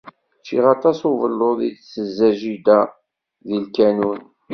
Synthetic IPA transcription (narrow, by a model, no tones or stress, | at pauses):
t͡ʃiʁɑt̪ˤɑsuvəlːoðidsəzːæʒid̪æ | ðilkænun